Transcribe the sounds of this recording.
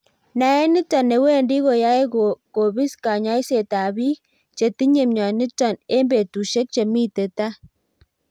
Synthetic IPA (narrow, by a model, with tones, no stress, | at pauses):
na˨ɛ˦nɪ˦tɔ˨ne˨we˦˨ndi˦ɣo˨ja˦e˦koko˨bi˦ska˨ɲa˦i˦se˨ta˨bi˦ | t͡ʃe˨ti˦ɲe˨mɲa˨nɪ˦tɔ˨ne˦mbe˨tu˨ʃe˦k̚t͡ʃe˨mi˦te˨ta˦